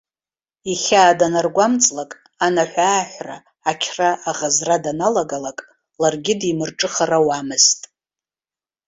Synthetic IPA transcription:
iχʲaːdanarɡʷamt͡sʼlakʼ | anaħʷᶣaːħʷra̰ː | kʲʰraːʁazradanalaɡalakʼ | larɡʲɪdimɨrʈ͡ʂʼɨχarawamɨztʼ

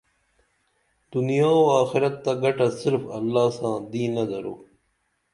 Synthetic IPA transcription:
d̪unijaːoaːxɪɾɐt̪ːaɡɐʈasɪɾfɐlːaːsãːd̪iːnɐd̪ɐɾo̰ː

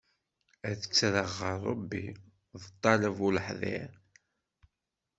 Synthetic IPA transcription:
æθə̥t͡sːɾəʁːəɾˤːə̰bːḭ | ðˤət̪ˤːɑləvuləħðˤɪ̰ɾ

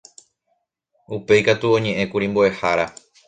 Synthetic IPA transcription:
upe̞jkat̪uõ̞ɲẽ̞ʔẽ̞kuɾimboehaɾa

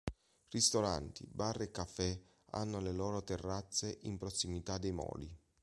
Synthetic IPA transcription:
rist̪oɾa̰nt̪ḭbarːekːafːɛ | a̰nːoleloːɾot̪erːat̪sːeʔimpɾosːimit̪ad̪ejmɔ̰ːli

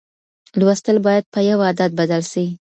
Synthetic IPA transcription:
lwast̪əlbɑjad̪̚pəjawɑd̪ad̪̚bad̪alʃawi

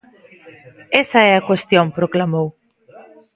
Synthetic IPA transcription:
ɛsɐɛakwest̪joŋpɾoklamow

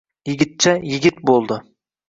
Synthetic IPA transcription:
jɪɡʲɪt̪̚t͡ʃʰajɪɡʲɪt̪̚bolˠd̪ɪ

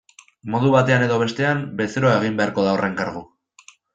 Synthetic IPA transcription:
mo̞ð̞uβat̪e̞ane̞ðo̞β̞e̞st̪e̞ambe̞seɾoae̞ɣ̞imbe̞aɾko̞ðaore̞ŋkaɾɣu

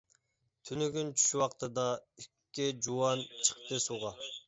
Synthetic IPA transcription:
t̪ʰynyɡʲynt͡ʃʰy̥ʃwɑqt̪ʰɨd̪ɑykʲːid͡ʒuwɑnt͡ʃʰə̥q̚t̪ɨsuʁɑ

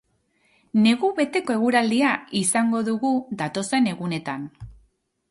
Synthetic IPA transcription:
ne̞ɣuβe̞t̪e̞ko̞e̞ɣ̞uɾald̪iaisaŋɡo̞ðuɣuðat̪o̞se̞ne̞ɣune̞t̪an

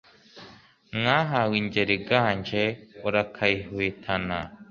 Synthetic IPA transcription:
ŋaɦawiɲɟeɾiɡaːɲd͡ʒeoɾakʰaihwetʰana

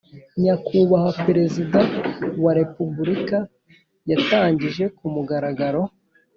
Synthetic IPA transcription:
ɲakuβahapeɾe̞zidawaɾe̞pubuɾika | jataːɲɟiʒe̞kumuɡaɾaɡaɾo̞

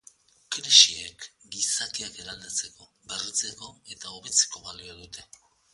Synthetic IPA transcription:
kɾeʃiekɡisakiakeɾald̪at͡se̞ko̞ | berit͡se̞ko̞e̞t̪ao̞βe̞t͡se̥ko̞βaliaðut̪e̞

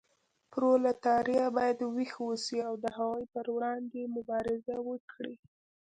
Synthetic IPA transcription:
pɾolat̪ɑɾjabɑjad̪wixwəsiawd̪əhawajpəɾwɽɑnd̪emʊbɑɾɪzawəkʰɽi

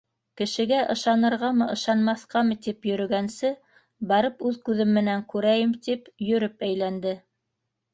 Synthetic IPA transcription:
kɘ̆ʃɘ̆ɡæʔɤ̆ʃɑnɤ̆ɾʁɑmɤʔɤ̆ʃɑnmɑθqɑmɤt̪ipjɵ̆ɾɵ̆ɡænsɘ | bɑɾɤpʉðkʉðɘmːɘ̆næŋkʉɾæjɘmt̪ipjɵ̆ɾɘpæjlænd̪ɘ

